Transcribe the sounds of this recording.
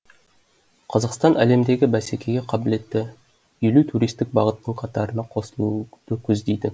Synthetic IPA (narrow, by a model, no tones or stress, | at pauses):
qʰɑzɑqst̪ɑnæle̞md̪e̞ɡʲɪbæsekʲʰe̞ɡʲe̞qʰɑbɪle̞t̪ːɪ | ilut̪ʰuɾijst̪ɪk̚bɑʁət̪nːəɴqʰɑt̪ɑɾənɑqʰo̞səlˠud̪̥əkʲʰɵzd̪ejd̪ɪ